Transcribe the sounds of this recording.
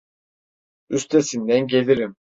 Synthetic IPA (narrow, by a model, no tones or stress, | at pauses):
yst̪ʰesind̪ænɟelʲiɾim